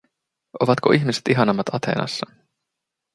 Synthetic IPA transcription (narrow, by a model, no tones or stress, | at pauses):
ʔo̞ʋɑt̪ko̞̰ʔiçmiset̪iɦɑnɑmːɑt̪ɑt̪ʰe̞̰ːnɑ̰sːɑ